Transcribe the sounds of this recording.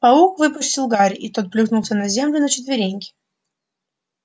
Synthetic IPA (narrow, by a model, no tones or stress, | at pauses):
pɐukvɨpʊsʲtʲɪlˠɡaɾʲit̪ot̪̚plʲut̪nʊlˠsʲənɐzʲe̞mlʲʊnət͡ɕɪt̪vʲɪɾʲenʲkʲɪ̥